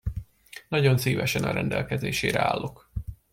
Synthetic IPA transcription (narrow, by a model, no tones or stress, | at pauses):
nɒɟo̞nsiːvɛʃɛnɒɾɛnd̪ɛlkɛzeːʃeːɾɛa̰ːlːo̞k